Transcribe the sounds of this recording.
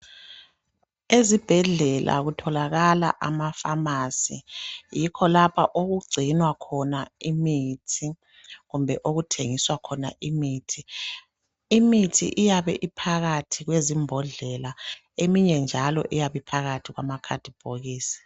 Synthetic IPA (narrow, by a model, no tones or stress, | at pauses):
ezib̥ʱɛɮɛlʔa̰ɣutʰɔlaɣala̰ʔamafamasḭjikʰɔlapʰaʔoɣuɡ͡ǀʱinwakʰɔnaimitʰi | ɣumbʱɛʔoɣutʰeŋiswakʰɔna̰ʔimiːtʰi | imitʰḭʔijaβɛ̰ʔipʰaɣatʰiɣwezimbʱɔɮɛla | emiɲɛnd͡ʒʱalɔ̰ʔijaβipʰaɣatʰiɣwamakʰa̰d̥ʱib̥ʱoɣiːsi̥